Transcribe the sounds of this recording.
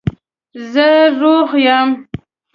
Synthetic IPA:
zəɾoɣjam

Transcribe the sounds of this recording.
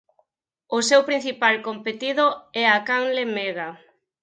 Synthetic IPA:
ʊsewpɾin̟θipalkompet̪iðʊɛakaŋlemeɣa

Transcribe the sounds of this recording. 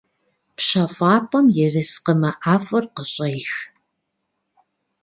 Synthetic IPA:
pɕɐfʼɑːpʰʼɐmjɛrɨsqəmɐʔaːfʼɐrqəɕʼejx

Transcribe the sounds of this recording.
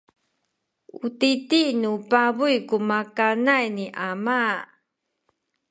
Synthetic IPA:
utitinupabujkumakanajniʔama

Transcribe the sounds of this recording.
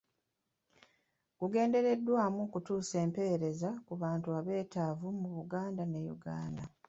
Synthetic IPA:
ɡ̥uɡe̞ːnde̞ɾe̞dːwaːmukutuːse̞ːmpe̞ɾe̞zakuβaːntuaβe̞ːtaːvumuβuɡaːndane̞jṵɡa̰ːnda

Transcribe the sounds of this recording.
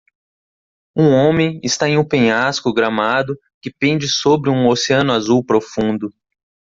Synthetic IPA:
ũõmẽj̃ɪst̪aẽũpẽjaskʊɡɾamad̪ʊ | kɪpẽnd͡ʒɪsobɾɪũoseɐ̃nʊazuwpɾofũnd̪ʊ

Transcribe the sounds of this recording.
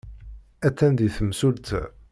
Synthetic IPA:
æt̪ːænd̪iθəmsult̪

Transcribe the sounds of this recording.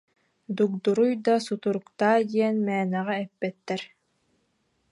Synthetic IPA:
d̪uk̚d̪uɾujd̪asut̪uɾukt̪aːd̪iɛnmɛːnɛʁɛɛpːɛt̪ːɛɾ

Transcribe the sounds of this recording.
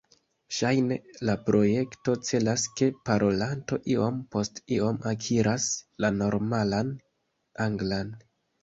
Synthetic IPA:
ʃajne̞lapɾo̞je̞kto̞t͡se̞laske̞paɾo̞lanto̞ʔio̞mpo̞stio̞makʰiɾaslano̞ɾmalan | aŋɡlan

